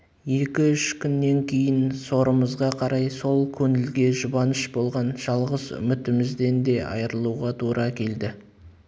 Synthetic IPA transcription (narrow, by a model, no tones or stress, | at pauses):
je̞kʲɪʏʃkʲʰʏnːe̞ŋkʲʰe̞jɪnso̞ɾəməzʁɑqʰɑɾɑjso̞lˠkʲʰɵŋɪlɡʲe̞ʒʊbɑnɪʃbo̞lˠʁɑnʒ̥ɑlˠʁəzʏ̰mʏt̪ɪmɪzd̪e̞nd̪e̞ʔɑ̰jəɾəlˠuʁɑt̪ʰuɾʔɑkʲʰe̞ld̪ɪ